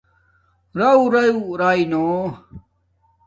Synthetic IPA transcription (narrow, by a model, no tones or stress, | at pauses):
ɾɐuɾɐjuɾaːino